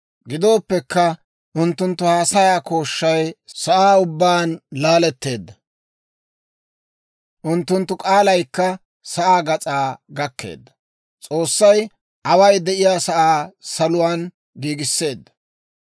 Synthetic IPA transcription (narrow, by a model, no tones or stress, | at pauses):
ɡɪd̪o̞ːpːɛkːɐ | ʔʊnt̪ːʊnt̪ːʊhaːsɐjaːko̞ːʃːɐjsɐʔaːʊbːaːnlaːlɛt̪ːe̞ːd̪ːɐ | ʔʊnt̪ːʊnt̪ːʊkʼaːlɐjkːɐ | sɐʔaːɡɐt͡sʼaːɡɐkːe̞̰ːd̪ːɐ̥ | t͡sʼo̞ːsːɐj | ʔɐwɐjd̪ɛʔɪjaːsɐʔaːsɐlʊwaːn | ɡiːɡɪsːe̞ːd̪ːɐ̥